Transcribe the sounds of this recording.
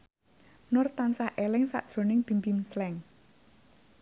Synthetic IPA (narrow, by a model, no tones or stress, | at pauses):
nʊrt̪ansahʔelɪŋsa̰ʔd̥ʒ̥ɾo̤nɪŋb̥imbimslɛŋ